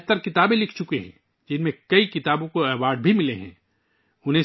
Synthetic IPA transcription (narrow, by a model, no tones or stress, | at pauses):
t̪əɾkɪt̪aːbẽlɪkʰt͡ʃʊkeɦɛ̰̃ | d͡ʒɪnmẽkɐikɪt̪aːbõkoɛwaːɾɖ̚bʱimɪleɦɛ̰̃ː | ʊnɦẽ